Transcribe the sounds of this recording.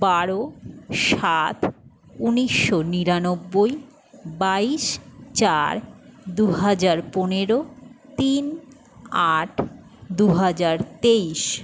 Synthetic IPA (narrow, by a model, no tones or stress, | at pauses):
baɾoʃat̪ | uniʃːoniɾanobːoj | baiʃt͡ɕaɾd̪uɦad͡ʑaɾponeɾot̪in | aʈʰ | d̪uɦad͡ʑaɾt̪eiʃ